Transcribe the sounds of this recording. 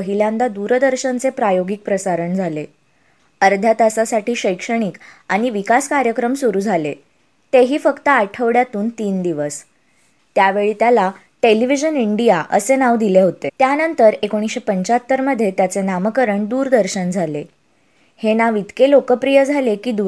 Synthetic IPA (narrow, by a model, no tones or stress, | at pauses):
əɦiljãnd̪ad̪uɾd̪əɾɕənt͡sepɾajoɡik̚pɾəsaɾəɳd͡zʱale | əɾd̪ʱjat̪asasaʈiːɕəjkʂəɽ̃ik | aɽ̃iʋikaskaɾjəkɾəmsuɾuːd͡zʱale | t̪eɦiːfəkt̪əaʈʰəʋɽjat̪uːnt̪iːnd̪iʋəs | t̪jaʋeɭiːt̪jala | ʈeliʋid͡ʑəniɳɖijaʔə̰senaʋd̪ileɦot̪et̪janənt̪əɾekoɽ̃isɕepəɲt͡ɕaət̪ːəɾməd̪ʱːjet̪jat͡senaməkəɾəɳd̪uːɾd̪əɾɕənd͡zʱale | henaʋid̪kelokəpɾijəd͡zʱalekiːd̪u